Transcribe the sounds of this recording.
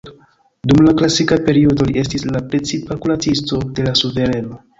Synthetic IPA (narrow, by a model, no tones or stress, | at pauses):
dumlaklasikape̞ɾiodo̞liʔe̞s̬tislapɾe̞t͡sipakulat͡sisto̞de̞lasuve̞ɾe̞no̞